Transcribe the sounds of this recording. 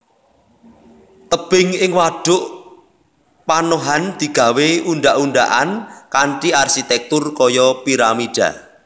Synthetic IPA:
t̪əb̥ɪŋɪŋwaɖ̥ʊʔ | panoɦand̪̥i̤ɡ̥a̤weunɖ̪aʔuɳɖ̪a̰ʔankaɳʈiarsit̪ɛk̚t̪ʊrkɔjɔpiɾamiɖ̥a̰

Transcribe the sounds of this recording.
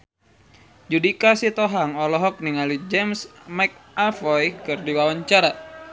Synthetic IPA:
d͡ʒudikasit̪ɔɦaŋɔlɔɦɔk̚niŋalid͡ʒɛmsmak̚afɔjkɨrdiwawaɲt͡ʃaɾa

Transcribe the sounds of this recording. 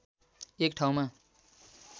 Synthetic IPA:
ek̚ʈʰaw̃ma

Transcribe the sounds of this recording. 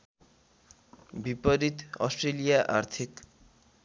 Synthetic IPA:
bipʌɾit̪ʌ̰sʈrelijaʔart̪ʰik

